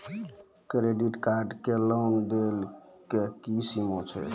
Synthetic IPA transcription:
kɾeɖiʈkaɾɖkeləwnd̪elkekisimot͡ʃʰɛ̰

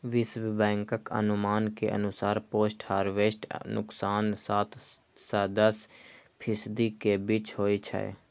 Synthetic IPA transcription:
ʋɪsbbɛ̃ːŋkəkə̰nʊmaːnkḛʔə̰nʊsaːɾpoːsʈhaːɾʋeːsʈnʊksaːnsaːt̪ | sad̪əspʰɪsd̪ikebɪt͡ʃɦoːit͡ʃʰɛ̰ḛ

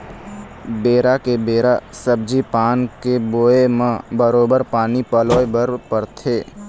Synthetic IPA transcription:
beːɾakebeːɾasəb̚d͡ʒipaːnkeboːemãbəɾoːbəɾpaːnipɐloːebəɾpəɾt̪ʰeː

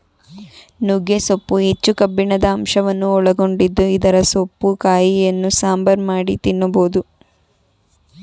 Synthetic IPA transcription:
nuɡesopːuet͡ʃːukɐbːiɳɐd̪ɐːmʃɐʋɐnːuɔɭɐɡo̞ɳɖid̪ːuid̪ɐɾɐsopːukaːjijɐnːusaːmbɐɾmaːɽit̪inːuboːd̪u

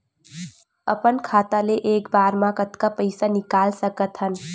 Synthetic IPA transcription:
ə̰pənkʰat̪aleʔekbaɾmãkət̪kapəɪsanikalsəkət̪ɦən

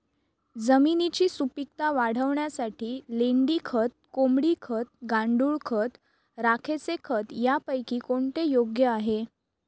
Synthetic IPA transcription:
d͡zəminit͡ɕiːsupik̚t̪aʋaɽ̤əʋɳjasaʈʰiːleɳɖiːkʰət̪̚komɽiːkʰət̪̚ɡãɳɖuːɭkʰət̪ | ɾakʰet͡sekʰət̪japəjkiːkoɳt̪ejoɡjəaɦe

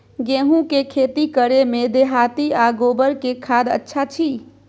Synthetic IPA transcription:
ɡeɦũkekʰet̪ikəɾemed̪eɦat̪iaɡobəɾkekʰad̪ə̰tːʃʰat͡ʃʰi

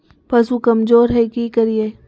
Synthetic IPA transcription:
pɐs̬ukɐmzoːɾɦɛkikɐɾieː

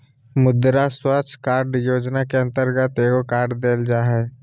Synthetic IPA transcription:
mʊd̪ɾaswət͡ʃʰkaːɾɖjoːd͡ʒnakeə̃nt̪əɾɡət̪eːɡokaːɾɖd̪eːld͡ʒaːɦɛː

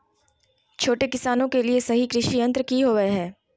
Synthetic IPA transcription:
t͡ʃʰoːʈekɪsaːnõkeliesɐɦikɾɪʃiɐ̃nt̪ɾkiɦoːʋəeɦɛː

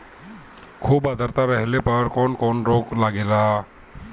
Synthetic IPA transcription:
kʰubad̪ʱaɾt̪aɾəɦɛlepəɾkɔnkɔnɾoklaɡela

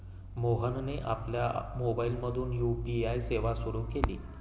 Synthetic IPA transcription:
moɦənneʔapljamobailməd̪ʱuːnjupiajseʋasuɾukelḭː

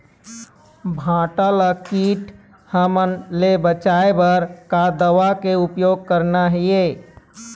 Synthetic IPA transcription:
bʱãːʈaləkiːʈ | həmənlebət͡ʃaebəɾkad̪əʋakeʊpjoːɡ̚kəɾnaɦie

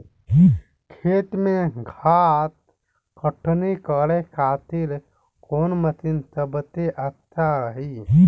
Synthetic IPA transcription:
kʰeːt̪mẽɡʱaːt̪̚ | kəʈʰnikəɽekaːt̪il | koːnmət̪insəbt̪eʔət̪ʰːaəɦi

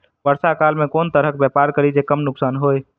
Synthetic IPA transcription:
pəɾsakaːlmẽkoːnt̪əɾəkbɛpaːɾkəɾid͡ʒekəmnʊksaːnɦoːe

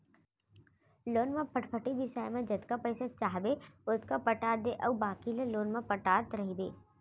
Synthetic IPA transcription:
loːnmãpʰɐʈpʰəʈibɪsaːjmẽd͡ʒɐt̪kapəːsat͡ʃaːɦbeʊt̪kapɐʈaːd̪eʔɐwbaːkileloːnmãpɐʈaːt̪ɾɐɦibḛː

